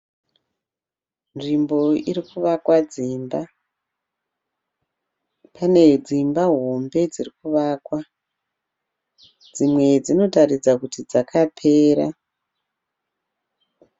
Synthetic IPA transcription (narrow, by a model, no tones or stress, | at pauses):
nʐimbo̞irikuʋakwad͡ziːmba | pane̞d͡zimbaɦo̞mbe̞d͡zirikuʋaːkwa | d͡zimwe̞d͡zino̞tarid͡zakutid͡zakʰapʰe̞ːɾa